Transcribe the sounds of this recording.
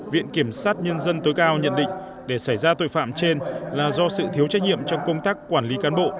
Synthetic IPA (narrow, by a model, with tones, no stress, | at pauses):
vḭ˧˨ənki˧˩əmsaː˦˥t̚ɲə˧nzə˧nt̪o˨˦jkaː˧wɲə̰˧˨nɗḭ̈˧˨ŋ̟ | ɗe˧˩sa˧˩jzaː˧t̪o̰˧˨jfa̰ː˧˨mt͡ɕe˧nlaː˨˩zɔ˧sɨ̰˧˨t̪ʰi˨˦wt͡ɕa˦˥k̚ɲḭ˧˨əmt͡ɕɔ˧wŋ͡mkə˧wŋ͡mt̪aː˦˥kːwaː˧˩nli˨˦kaː˨˦nɓo̰˧˨